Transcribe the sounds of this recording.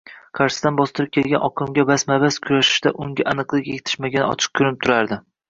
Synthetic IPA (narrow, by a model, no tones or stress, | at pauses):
qʰɑɾʃɪ̥d̪anbɒst̪ɨɾɪp̚kʲʰe̞lˠɡʲa̰nʔɒqʰɪmɡʲabasmabaskʰʊɾaʃɪ̥ʃd̪a̰ʔʊŋɡʲaʔanɨqlˠɪkʲeɡʲɪt̪ʰɪ̥ʃmaɡʲanɪ̰ɒ̰t͡ʃʰɨ̥q̚kʰʊɾɪp̚t̪ʰʊɾaɾd̪ɪ